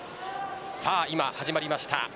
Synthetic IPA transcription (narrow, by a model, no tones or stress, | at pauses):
saːimahaʑimaɾʲimaɕi̥t̪a̰